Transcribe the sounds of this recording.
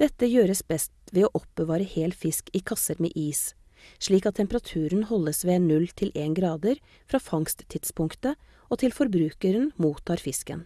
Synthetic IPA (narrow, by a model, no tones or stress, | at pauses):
d̪̥ɛt̪ːəjøːɾəsbɛst̪ʋɛːoːʔɔp̚bəʋɑːɾəheːlfɪskiːkʰɑsəɾmḛːʔiːs | ʂɭiːkɑt̪ʰːɛmpəɾɑt̪ʰʉːɾənhɔlːəsʋeːɛnnʉlt̪ʰɪlʔeːnɡɾɑːd̪əɾ | fɾɑːfɑŋst̪t̪ʰːɪt̪spʰʊŋkt̪ə | ʔoːt̪ʰɪlfɔɾbɾʉːkəɾənmuːt̪ʰɑːɾfɪskə̰n